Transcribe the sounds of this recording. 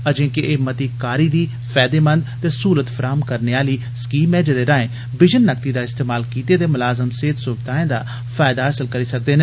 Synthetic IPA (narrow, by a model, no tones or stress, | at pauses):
əd͡ʒẽːkeɪmət̪iːkaːɾiːd̪iː | pʰɛːd̪eːmə̃nd̪t̪eːsuːɾət̪pʰəɾaːmkəɾneːaːliː | skiːmɛ̃ːd͡ʒəd̪eːɾãːẽː | bɪd͡ʒənːək̚t̪iːd̪aːɪst̪eːmaːlkiːt̪eːt̪eːmʊlaːzəmseːt̪sʊbɪd̪aːẽːd̪a̰ː | pʰaːjd̪aːɦəsəlkəɾiːsək̚d̪eːneː